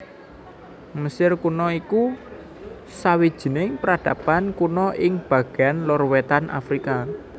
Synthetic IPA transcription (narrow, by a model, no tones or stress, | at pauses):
məsɪrkunɔiku | sawid̥ʒ̥i̤nɪŋpəɾad̥ä̤pankunɔʔɪŋb̥ä̤ɡ̥anlɔrwet̪anʔa̰fɾika